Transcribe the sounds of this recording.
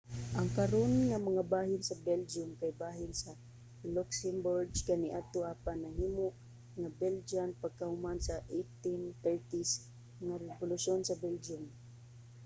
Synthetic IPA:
ʔaŋkaɾonŋamaŋabaːhɪnsabɛld͡ʒʊmkajbaːɦɪnsa | lʊksɛmbʊɹɡkanɪʔat̪oʔapanːahiːmʊʔ | ŋabɛld͡ʒanpaɡ̚kahʊmansaʔejt̪ɪnt̪ɛɹt̪is | ŋaɾɛbʊlʊʃonsabɛld͡ʒʊm

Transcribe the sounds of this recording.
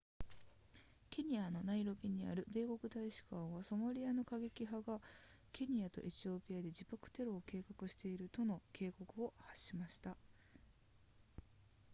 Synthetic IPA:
kʲe̞ɲ̟iano̞naiɾo̞ɡʲiɲ̟ia̰ɾɯ̟be̞ːko̞kɯ̟t̪aiɕi̥kãɰ̃βaso̞maɾʲiano̞kaɡe̞kʲiɦaɡakʲe̞ɲ̟iat̪o̞̰ʔe̞t͡ɕio̞pʲiad̪e̞d͡ʑipakɯ̟̥t̪e̞ɾo̞ːke̞ːkakɯ̟ɕi̥t̪e̞iɾɯ̟t̪o̞no̞ke̞ːko̞kɯ̟o̞haɕːimaɕi̥t̪a

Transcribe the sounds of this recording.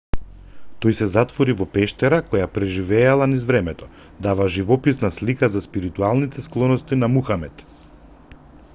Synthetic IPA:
t̪ɔjsɛzat̪vɔɾivɔpɛʃt̪ɛɾakɔjapɾɛʒivɛːlˠanizvɾɛmɛt̪ɔ | d̪avaʒivɔpisnaslikazaspiɾit̪ualˠnit̪ɛsklˠɔnɔst̪inamuxamɛt̪

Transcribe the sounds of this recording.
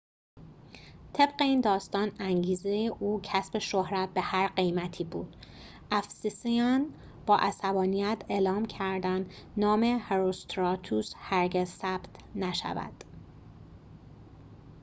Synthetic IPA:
t̪ʰe̞bɢe̞iːnd̪ɒːst̪ɒːnæŋɟiːze̞jeʔuːcʰæsbe̞ʃohɾæt̪̚be̞hæɾɢe̞jmæt̪ʰiːbṵːd̪̥ | ʔæfsisijɒːn | b̥ɒːʔæsæbɒːnijæt̪ʰeːlɒːmcʰæɾd̪ænd̪ | nɒːme̞heɾost̪ɾɒːt̪ʰushæɾɟezsæːb̥t̪ʰnæʃæ̰væ̰d̪̥

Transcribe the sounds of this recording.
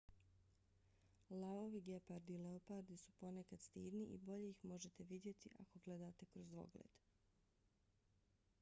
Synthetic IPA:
laoʋiɡepaɾd̪ileopaɾd̪isu̥po̞nekad̪̥st̪iːd̪niʔḭbo̞ʎeixmo̞ʒet̪e̞ʋid̪je̞t̪iʔa̰ko̞ɡle̞d̪aːt̪e̞kɾozd̪o̞̰ɡlḛd̪̥

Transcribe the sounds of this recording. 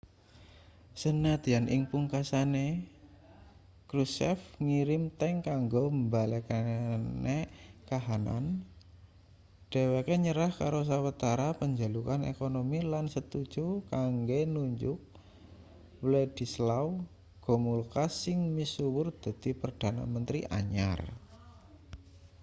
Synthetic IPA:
sənat̪ianʔɪŋpuŋkasane | kɾusɛfŋiɾɪmt̪ɛŋkaŋɡombalekanekaɦana̰n | d̥e̤wekeɲəɾahkaɾos̬awət̪aɾapəɲd͡ʒalukanḛkonomilansət̪u̥d͡ʒ̥ukaŋɡenuɲd͡ʒʊk̚ | wled̪̥i̤slaw | ɡ̥ɔ̤mulkasɪŋmisuwʊrd̪̥a̤d̪̥ipərd̥a̤na̰mənt̪ɾiʔa̰ɲa̰r

